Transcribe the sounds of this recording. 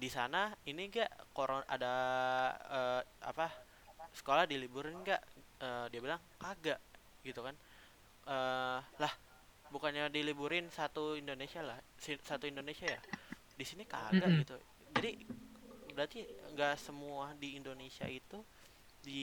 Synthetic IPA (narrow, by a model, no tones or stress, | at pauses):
disanainiɡaʔkoɾona̰da | əːa̰pa | sə̥kolahdilibuɾɪnɡaʔəːdiabilaŋkaɡaʔ | ɡit̪ukan | ʔəːlah | bukanɲadilibuɾɪnsat̪uindonesialahsisat̪uindonesiaja | disinika̰ɡaɡit̪u | d͡ʒadi | bəɾat̪iŋɡaʔsəmuadiːndonesia̰it̪u | di